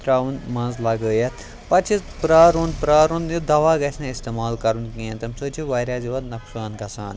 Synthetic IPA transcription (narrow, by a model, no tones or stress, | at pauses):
t̪ɾaːʋunmɐ̃nzlɐɡəːjɐt̪ʰ | pɐt͡ʃʰipɾaːɾuːnpɾaːɾoːnjid̪ɐʋaːɡɐsʲnãist̪emaːlkɐɾunkẽːnt̪ɐmsoːt͡ʃʰiʋɐːɾʲaːziʋɐd̪nɐksaːnɡɐsʰaːn